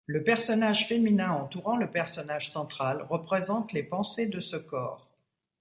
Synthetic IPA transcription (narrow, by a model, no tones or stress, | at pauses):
ləpɛʁsɔnaʒfeminɛ̃ɑ̃t̪uʁɑ̃ləpɛʁsɔnaʒsɑ̃t̪χalʁəpχezɑ̃t̪lepɑ̃sed̪əsəkɔ̰ːʁ